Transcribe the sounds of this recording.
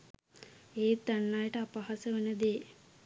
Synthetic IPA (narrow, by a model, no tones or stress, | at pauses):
eːt̪ːanːajəʈəapaɦasəʋənəd̪eː